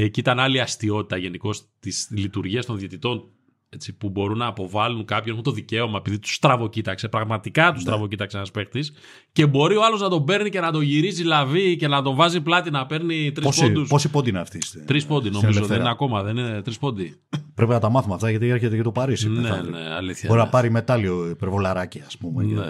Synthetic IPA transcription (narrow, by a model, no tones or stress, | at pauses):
eciit̪ɐnɐliɐst̪io̞t̪i̥t̪ɐʝe̞niko̞st̪islit̪uɾʝiɐst̪o̞nðjet̪it̪o̞n | e̞t͡sipubo̞ɾunːɐːpo̞vɐluŋkɐpçoeunt̪o̞ðice̞o̞mɐe̞piðit̪u̥st̪ɾɐvo̞cit̪ɐkse̞pɾɐɣmɐt̪ikɐt̪ust̪ɾɐvo̞cit̪ɐksenɐspe̞xt̪is | ce̞bo̞ɾio̞ɐlo̞znɐt̪o̞be̞ɾnice̞nɐd̪o̞ʝiɾizilɐvice̞nɐt̪o̞ɱvɐziplɐt̪inɐpe̞ɾnit̪ɾisspod̪usposipond̪ineɐft̪is | t̪ɾispo̞nd̪ino̞mizoðenineɐko̞mɐðe̞ninet̪ɾispo̞nd̪i | pɾepinɐt̪ɐmɐθumɐft̪ɐʝɐt̪̬ieɾçet̪ecet̪opɐɾisinenḛɐ̰liθçɐoɾinɐpɐɾime̞t̪ɐlioipeɾvolɐɾɐciɐspumenḛ